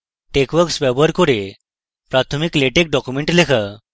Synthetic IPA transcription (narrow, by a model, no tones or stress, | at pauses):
ʈekʋəɾksʋɛbəɾkoɾe | pɾat̪ʰəmikleʈek̚ɖɔkjumeɳʈlekʰə